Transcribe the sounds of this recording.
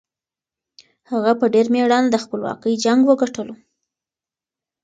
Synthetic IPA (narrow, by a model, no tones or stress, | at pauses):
haɣapəɖeɾmeɽɑnd̪əxpəlwɑ̰kəjd͡ʒaŋɡwəɡaʈəlo